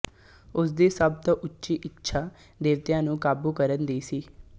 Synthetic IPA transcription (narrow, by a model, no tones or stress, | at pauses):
ʊsd̪iːsəb̚t̪õːʔʊtːʃiːʔɪkʃʰaː | d̪eːʋt̪ɪjãːnũːkaːbuːkəɾənd̪iːsiː